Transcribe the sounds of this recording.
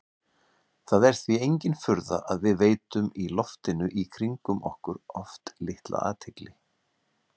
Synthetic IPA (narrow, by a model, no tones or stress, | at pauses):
θaðɛɾ̥θviejɲcɪnfʏɾða̰ʔaðvɪðveːjt̪ʏmilɔft̪ɪnʏʔikʰɾiŋkʏmʔɔ̰hkʏɾɔft̪lɪht̪lʔa̰a̰ːt̪ʰɪklɪ